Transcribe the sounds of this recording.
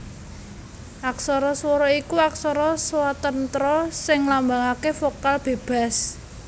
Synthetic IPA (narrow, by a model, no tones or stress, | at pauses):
ʔaksɔɾɔswɔɾɔikuaksɔɾɔswat̪ənt̪ɾɔsɪŋlambaŋakefokalb̥e̤b̥a̤s